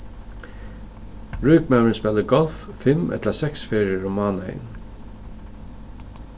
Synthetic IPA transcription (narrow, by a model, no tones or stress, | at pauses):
ɹuːkmawɪnspɛləɡɔlffɪmɛ̰t̪lasɛksfeːɹjəɹʊmɑːnḛɪn